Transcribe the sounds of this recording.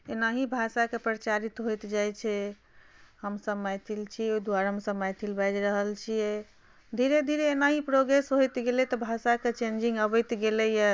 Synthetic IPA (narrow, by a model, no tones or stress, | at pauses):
enaɦibʱasakepɾət͡ʃaɾit̪ɦojt̪d͡ʒajt͡ʃʰɛ | ɦəmsəbmajt̪ʰilt͡ʃʰioid̪uaɾaɦəmsəbmajt̪ʰilbad͡ʒɾəɦəlt͡ʃʰijɛ | d̪ʱiɾed̪ʱiɾeːnaɦipɾoɡɾesɦojt̪ɡelɛt̪ɔbʱasaket͡ʃẽnd͡ʒĩŋɡəbəjt̪ɡelɛja